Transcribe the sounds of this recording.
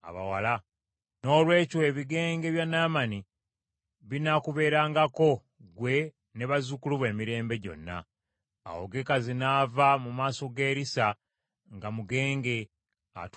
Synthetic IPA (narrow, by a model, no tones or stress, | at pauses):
a̰βa̰wala | no̞ːlwe̞ːcoe̞βiɡe̞ːŋɡe̞βjanːaːmani | βinakuβe̞ːɾaːŋɡako̞ | ɡwe̞ | ne̞βazukuluβwe̞ːmiɾe̞ːmbe̞ɟo̞̰nːa̰ː | wo̰ɡe̞kazinavamumaːso̞ɡe̞ːɾisa | ŋɡamuɡe̞ːŋɡe̞ | a̰t